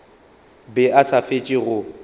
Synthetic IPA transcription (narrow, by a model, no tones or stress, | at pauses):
bɛasafet͡ʃʼɪɣʊ